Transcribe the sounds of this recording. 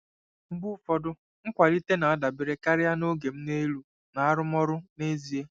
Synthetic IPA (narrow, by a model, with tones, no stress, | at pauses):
m̩˦bu˦fɔ˦dʊ˦ | ŋ̩˦kʷa˨li˦te˦na˨a˦da˨bɪ˨ɾe˦ka˦ɾɪ˦ja˦no˦ɡe˨m̩˦ne˦lu˨ | na˨a˦ɾʊ˦mɔ˦ɾʊ˦ne˦zi˨e˦